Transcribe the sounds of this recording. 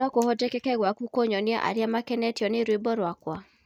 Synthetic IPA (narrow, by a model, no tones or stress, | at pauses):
ɔkohɔdɛkɛkɛɣwakukoɲɔnja̰ʔa̰ɾjamakɛnɛtiɔneɾwebɔɾwakwa